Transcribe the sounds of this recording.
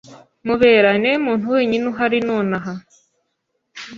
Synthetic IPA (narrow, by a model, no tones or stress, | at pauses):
muβeːɾanemuːn̥tuweːɲinuɦaɾinoːnaɦa